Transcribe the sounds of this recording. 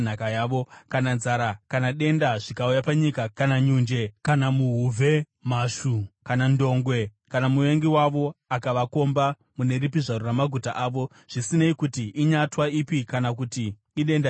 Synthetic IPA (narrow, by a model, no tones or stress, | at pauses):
n̤akajaːʋo̞kananzaɾakanaɗe̞ndaʐikaujapaɲikakanaɲund͡ʒe̞kanamuɦuvʱe | maːʃukanando̞ŋɡwe̞kanamuʋe̞ŋɡiwaʋo̞akaʋako̞mba | mune̞ripiʐaɾoramaɡʱutaʔaːʋo̞ | ʐ̥isineikutiʔiɲatwaipikanakutiː | ɗe̞nda